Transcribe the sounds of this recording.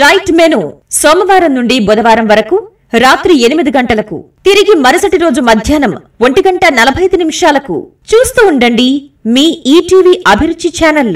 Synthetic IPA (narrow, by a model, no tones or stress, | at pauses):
ɾɐjʈmeːnusoːmɐʋaːɾɐnnuɳɖibɔd̪ɐʋaːɾɐmʋɐɾɐku | ɾaːt̪ɾie̞nimid̪iɡɐɳʈɐlɐkṵt̪iɾiɡimɐɾisɐʈiɾo̞ːd͡ʒumɐd̪ʱjaːnɐm | ʋoɳʈiɡɐɳʈɐnɐlɐbʱɐjɐd̪inimiʂaːlɐkṵ | t͡ʃuːst̪uːɳɖɐɳɖimiːiːʈiːʋiːʔɐbʱiɾut͡ʃit͡ʃaːnɐl